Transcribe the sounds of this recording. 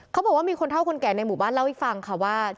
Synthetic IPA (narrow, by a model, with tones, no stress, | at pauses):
kʰwbɔː˨˩waː˥miː˧kʰo˧nt̪ʰa˥˩kʰo˧nkɛː˨˩na˧jmu˨˩baː˥˩nla˥˩wha˥˩fa˧ŋkʰa˧˥˩waː˥˩